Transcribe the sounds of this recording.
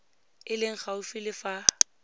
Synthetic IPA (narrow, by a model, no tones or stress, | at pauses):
ɪlɪŋ̩χaʊfilɪfa